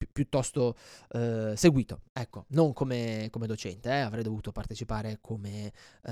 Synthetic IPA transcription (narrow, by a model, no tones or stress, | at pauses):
pːjut̪ːɔst̪o | seɡwiːt̪o̰ɛkːonoŋkomekomed̪ot͡ʃɛnt̪eɛavɾɛjd̪ovuːt̪opart̪et͡ʃipaːɾekʰome